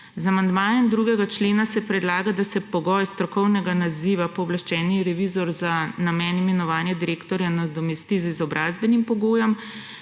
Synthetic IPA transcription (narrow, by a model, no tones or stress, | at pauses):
zamand̪maːjɛmd̪ɾuɡɛɡat͡ʃleːnasɛpɾɛd̪laːɡad̪asɛpɔɡɔjst̪ɾɔkɔwnɛɡanaziʋapɔːblaʃt͡ʃɛːniɾɛʋizɔɾzanamɛːnimɛnɔʋaːnjɛd̪iɾeːkt̪ɔɾjanad̪ɔmɛst̪izizɔbɾʔaːzbɛnimpɔɡoːjɔm